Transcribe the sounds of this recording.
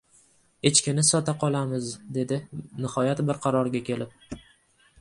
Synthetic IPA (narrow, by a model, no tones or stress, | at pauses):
et͡ʃkʲɪnɪsɒt̪aqʰɒlˠamɪzd̪e̞d̪ɪnɪhɒjat̪bɪɾqʰɑɾɒɾɡʲakʲʰe̞lɪp̚